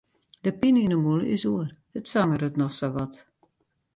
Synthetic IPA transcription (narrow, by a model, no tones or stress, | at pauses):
dəpininəmulˠəɪsuər | ətsaŋəɾətnɔxsaʋɔt